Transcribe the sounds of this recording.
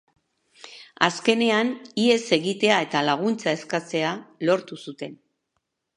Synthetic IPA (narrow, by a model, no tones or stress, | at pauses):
a̰ske̞ne̞anie̞se̞ɣit̪e̞ae̞t̪alaɣ̞unt͡sae̞skat͡se̞alo̞ɾt̪usut̪e̞n